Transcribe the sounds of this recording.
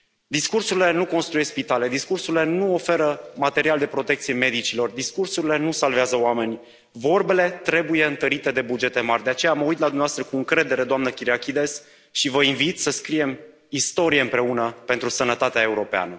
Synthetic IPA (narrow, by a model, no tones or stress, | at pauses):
d̪iskursuɾile̞nuko̞nst̪ɾujespit̪ale̞d̪iskursuɾile̞nuo̞fe̞ɾəmat̪e̞ɾiald̪e̞pɾo̞t̪e̞kt̪sije̞me̞d̪it͡ʃilo̞rd̪iskursuɾile̞nusalveazəoame̞nʲ | vo̞rbe̞le̞t̪ɾe̞buje̞ɨnt̪əɾit̪e̞d̪e̞bud͡ʒe̞t̪e̞marʲd̪e̞at͡ʃe̞jaməujt̪lad̪umnaoast̪ɾəkuɨŋkɾe̞d̪e̞ɾe̞d̪oamnəkʲiɾiakʲid̪e̞s | ʃivəinvit̪səskɾije̞m | ist̪o̞ɾie̞ɨmpɾe̞unəpe̞nt̪ɾusənət̪at̪eae̞uɾo̞pea̰nə